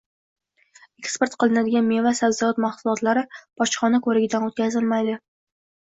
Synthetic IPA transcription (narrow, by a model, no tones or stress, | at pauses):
ekspe̞ɾt̪qʰɨlˠɪnad̪ɪɡʲanme̞vasabzɒɒt̪maχsʊlˠɒt̪laɾɪb̥ʰɒt͡ʃχɒnakʰɵɾɪɡʲɪd̪anot̪̚kʲʰazɪlˠmajd̪ɪ